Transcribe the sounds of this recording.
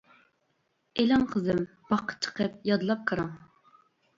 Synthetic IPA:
elɑŋqʰəzɨm | b̥ɑqʰːə̥t͡ʃʰə̥qʰəp̚jɑd̪lˠɑp̚kʰəɾɑŋ

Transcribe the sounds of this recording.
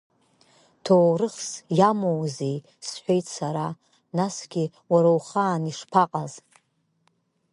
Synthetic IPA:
tʰowrɨχsjamowzej | sħʷᶣejtʰsaɾa | nasɡʲɪ | waɾowχaːniʂpʰaqʼaz

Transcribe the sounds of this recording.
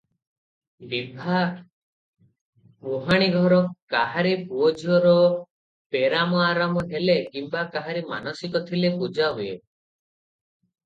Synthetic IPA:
bibʱa | moɦaɽ̃iɡʱɔɾɔkaɦaɾipuod͡ʒʱɔɾɔ | peɾamɔaɾamɔɦelekimbakaɦaɾima̰nɔsikɔt̪ʰilepud͡ʒaɦuḛ

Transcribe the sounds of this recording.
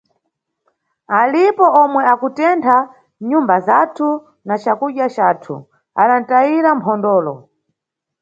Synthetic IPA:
alipɔʔɔmwɛakutɛntʰa | ɲumbazatʰu | nat͡ʃakuɗjat͡ʃaːtʰṵ | a̰ɗan̩taiɾampʰɔndɔːlɔ

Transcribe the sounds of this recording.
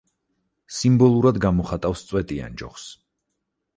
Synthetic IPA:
simbɔlˠuɾad̪ɡamɔχat̪ʼafst̪sʼwɛt̪ʼia̰nd͡ʒɔ̰χs

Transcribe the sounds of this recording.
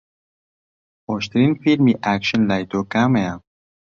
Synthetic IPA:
oʃt̪ɾinfilmiʔækʃənlajt̪okamea

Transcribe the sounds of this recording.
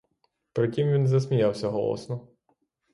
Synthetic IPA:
pɾɪtʲimʋʲinzɐs̬ʲmʲijawsʲɐɦɔ̰lˠɔ̰snɔ

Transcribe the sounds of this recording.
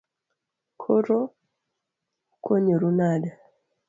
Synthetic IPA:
kʰoɾo | kʰoɲeɾunada

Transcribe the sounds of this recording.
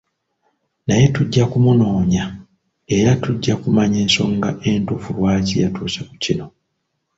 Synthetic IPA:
naje̞tuɟːakumuno̞ːɲa | e̞ɾatuɟːakumaɲe̞ːnso̞ːŋɡaʔe̞ntufulwaːcijatuːsekucino̞

